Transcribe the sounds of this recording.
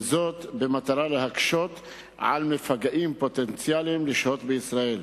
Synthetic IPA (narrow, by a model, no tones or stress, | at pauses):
zot̪bemat̪aɾalehakʃot̪ | ʕa̰lmefaɡaʔimpot̪ent͡sjalimleʃhot̪beisɾael